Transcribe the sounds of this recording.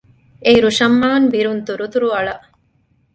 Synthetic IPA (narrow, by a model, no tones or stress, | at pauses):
eiɾuʃɐmːaːnbiɾunt̪uɾut̪uɾuɐɭɐʔ